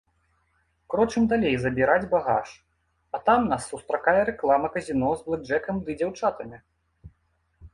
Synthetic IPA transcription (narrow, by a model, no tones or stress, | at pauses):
kɾɔt͡ʂɨmd̪alʲejzɐbʲiɾad͡zʲbaɣa̰ʂ | ɐt̪amnasːust̪ɾakajɛɾɛklˠamɐkɐzʲinɔzblˠɨd͡ʐɛkɐmd̪ɨd͡zʲawt͡ʂat̪ɐmʲi